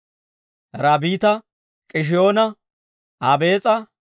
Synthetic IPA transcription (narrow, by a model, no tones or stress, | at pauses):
ɾaːbiːt̪ɐ | kʼɪʃ̬ɪjo̞ːnɐ | aːbe̞ːt͡sʼɐ